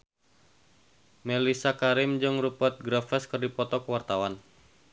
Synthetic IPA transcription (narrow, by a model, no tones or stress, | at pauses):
melisakaɾɪmd͡ʒɨŋrupət̪̚ɡɾafɛskɨrdipɔt̪ɔkəwart̪awan